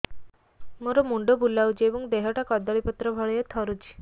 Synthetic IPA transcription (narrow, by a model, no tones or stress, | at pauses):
moɾomuɳɖobulːawd͡ʑeʋũŋkd̪eɦɔʈakɔd̪ɔɭipɔt̪ɾɔbʱɔɭjet̪ʰɔɾut͡ʃi̥